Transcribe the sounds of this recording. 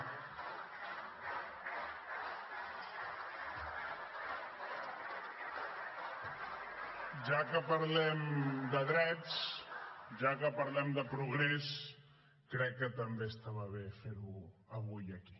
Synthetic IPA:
ʒakəpəɾlɛmd̪əðɾɛt͡s | ʒakəpəɾlɛmd̪əpɾuɣɾes | kɾɛkːət̪əmbest̪aβaβefeɾuəβujəki̥

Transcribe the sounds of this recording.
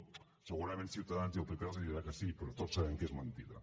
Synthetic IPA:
səɣuɾamẽnsjiwt̪aðanzjelˠpikaðoseðiɾakasipeɾot̪osaβeŋkezmãnt̪iða̰

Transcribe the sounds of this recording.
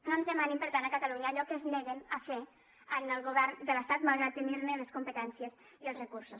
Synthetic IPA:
nonzðəmanimpəɾt̪anəkət̪əluɲəːʎɔkəznɛɣenəfe | ənəlˠɣuβɛɾnd̪ələst̪at̪malˠɣɾat̪eniɾneləskumpət̪ɛnsiez | iəlˠzrəkuɾsus

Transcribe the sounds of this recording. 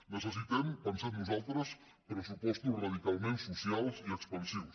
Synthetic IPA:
neses̬it̪empenseɾnosot̪ɾos | pɾesupwest̪uraðikalmẽnsusjalsiekspansiβos

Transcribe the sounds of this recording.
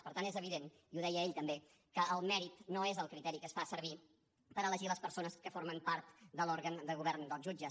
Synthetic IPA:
pəɾt̪ant̪ezəβiðen | iuðɛjəːeʎt̪əmbe | kəəlˠmɛɾit̪noezəlˠkɾit̪ɛɾikəsfasəɾβi | pəɾələʒiləspəɾsonəskəforməmpaɾt̪d̪əloɾɣənd̪əɣuβɛrnd̪əlˠzʒud͡ʒə

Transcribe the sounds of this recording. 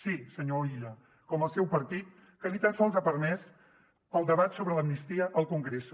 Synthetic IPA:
sisəɲoiʎə | kɔməlˠsɛwpəɾt̪it̪̚ | kəlit̪ansɔlˠzəpəɾmɛs | əlˠd̪əβat̪soβɾələmnist̪iəʔəlˠkuŋɡɾes

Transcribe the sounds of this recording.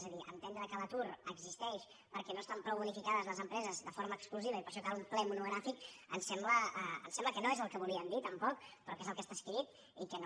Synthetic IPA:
zəðiə̰nt̪ɛnd̪ɾəkələt̪uɾəɡzist̪ɛʃ | pəɾkɛnoest̪ampɾɔwβunifikaðəzləzəmpɾɛzəzðəfoɾməkskluziβəipəɾʃ̬ɔkalumplɛmunuɣ̞ɾafikənsɛmbləəə̰nsɛmbləkənoezəlˠkəβulˠiəmd̪it̪əmpɔkpɾɔkezəlˠkəst̪askɾit̪̚ | ikən

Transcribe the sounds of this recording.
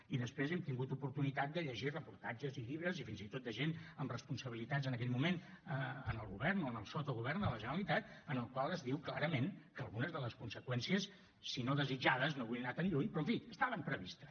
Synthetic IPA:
iðəspɾezɛmt̪iŋɡut̪upuɾt̪unit̪at̪̚d̪əʎəʒirəpuɾt̪ad͡ʒəziʎiβɾəzifinzit̪ot̪̚d̪əʒenəmrəspunsəβilit̪azənəkɛʎmumen | əənəlˠɣuβɛrnoənəlˠsɔt̪oɣuβɛrnd̪ələʒənəlit̪at̪̚ənəlˠkwalˠəzðiwklaɾəmenkəːlˠɣunəzðələskunsəkwɛnsiəsː | inoðəzid͡ʒaðəznoinat̪ənʎuɲpɾɔə̃ɱfiəst̪aβəmpɾəβist̪ə̥

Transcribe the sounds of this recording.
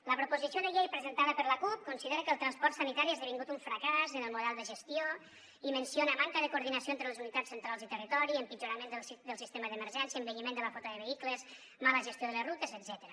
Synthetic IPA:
ləpɾupuzisionəʎejpɾəzənt̪aðəpəɾləkup̚kunsiðeɾəkəːlˠt̪ɾanspɔrt̪sənit̪aɾiezðəβiŋɡut̪uɱfɾəkazənəlˠmuðɛlˠd̪əʒəst̪io | imənsionəmaŋkəðəkuɾðinəsioent̪ɾələzunit̪at͡sːənt̪ɾalˠzit̪ərit̪ɔɾiəmpid͡ʒuɾamend̪əd̪əlˠsist̪eməðəməɾʒɛnsiəmbəʎimend̪ələfɔt̪əðəβəikləz | maləʒəst̪joðələzrut̪əzədzɛt̪əɾə

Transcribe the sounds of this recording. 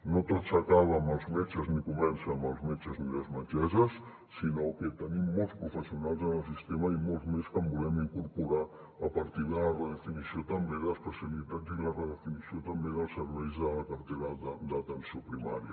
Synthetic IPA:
not̪otsəkaβ̞əməlˠzmet͡ʃəznikumɛnsəməlˠzmet͡ʃəzniləzmənt͡ʃɛzəsː | inoket̪ənimːolˠspɾufəsiunalˠzənəlˠsist̪eməimolˠzmeskəmbulɛmiŋkuɾpuɾa | əpəɾt̪iðələrəðəfinisiot̪əmbeðəspəsjəβilit̪azilərəðəfinisiot̪əmbeðəlˠsəɾβɛjzðələkəɾt̪eɾad̪əd̪ət̪ənsiopɾima̰ɾiə

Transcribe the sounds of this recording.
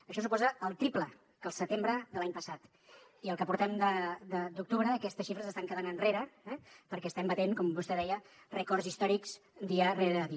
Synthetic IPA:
əʃɔs̬upɔzəːlˠt̪ɾiplə | kəlˠsət̪embɾəðəlaɲpəsat̪ | iəlˠkəpuɾt̪ɛmd̪əd̪əd̪uk̚t̪uβɾəːkɛst̪əsʃifɾəzəst̪aŋkəðanənreɾəɛpəɾkɛst̪ɛmbət̪eŋkɔmbust̪ɛðɛjə | rəkɔrzist̪ɔɾikz̥d̪iəreɾəði

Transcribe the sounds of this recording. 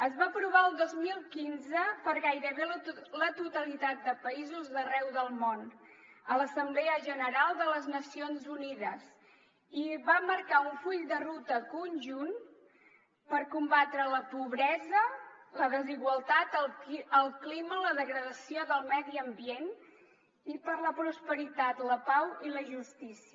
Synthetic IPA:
əzβapɾuβ̞aəlˠd̪ozmilˠkinzəpəɾɣajɾəβellət̪ut̪əlit̪at̪̚d̪əpəizuzðərɛwðəlˠmon | ələsəmblɛəʒənəɾalˠd̪ələznəsionzuniðəs | iβaməɾkauɱfuʎd̪ərut̪əkunʲʒun | pəɾkumbat̪ɾələpuβɾɛzələðəziɣwəlˠt̪at̪əlˠəlˠklimələðəɣɾəðəsioðəlˠmɛðiəmbien | ipəɾləpɾuspəɾit̪at̪ləpawiləʒust̪isiə

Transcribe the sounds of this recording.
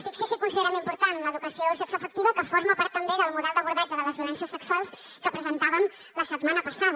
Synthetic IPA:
fikseʃikunsiðeɾamimpuɾt̪anləːðukəsiosɛksuəfək̚t̪iβəkəfoɾməpaɾt̪ːəmbeðəlˠmuðɛlˠd̪əβuɾðɛd͡ʒəðələzβjulɛnsiəsəkswalˠs | kəpɾəzənt̪aβəm | ləsət̪manəpəsaðə

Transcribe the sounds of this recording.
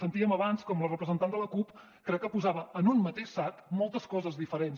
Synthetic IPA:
sənt̪iəməβanskɔmlərəpɾəzənt̪and̪ələkup | kɾɛkːəpuzaβəənunmət̪eʃsakmɔlˠt̪əskɔzəzðifəɾens

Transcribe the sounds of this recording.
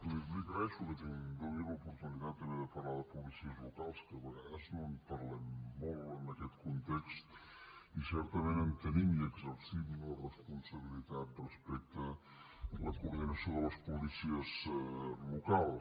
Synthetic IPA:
liplikəɾɛʃukət̪id̪əniləupuɾt̪unit̪at̪̚d̪əneðəpərlaðəpulisiəzlukalˠskəβəɣaðəznonpəɾlɛmːɔlənəkɛt̪kunt̪ɛkst̪isɛɾt̪əmenəmt̪ənimiəɡzəɾsimlərəspunsəβ̞ilit̪at̪̚rəspɛk̚t̪ə | ləkuɾðinəsioðələspulisiəzlukalˠ

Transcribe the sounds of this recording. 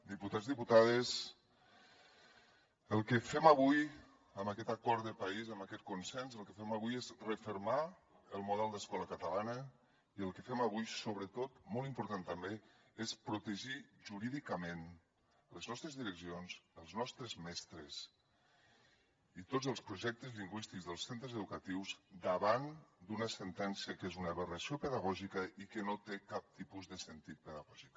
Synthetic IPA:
d̪iput̪azðiput̪aðəs | əlˠkəfɛməβuj | əmakɛt̪akɔɾd̪əpəizəmakɛt̪̚kunsɛnzəlˠkəfɛməβ̞ujezrəfəɾma | əlˠmuðɛlˠd̪əskɔləkət̪əlanə | iəlˠkəfɛməβujsoβɾət̪ot̪molˠimpuɾt̪ant̪əmbe | espɾut̪əʒiʒuɾiðikəmen | ləznɔst̪ɾəzðiɾəksionzəlˠznɔst̪ɾəzmɛst̪ɾəz | it̪od͡zəlˠspɾuʒɛk̚t̪əzliŋɡwist̪ikzðəlˠsent̪ɾəzəðukət̪iwzd̪əβand̪unəsənt̪ɛnsiəkezunəβərəsiopəðəɣ̞ɔʒikəikənot̪ekap̚t̪ipuzðəsənt̪it̪̚pəðəɣɔʒik

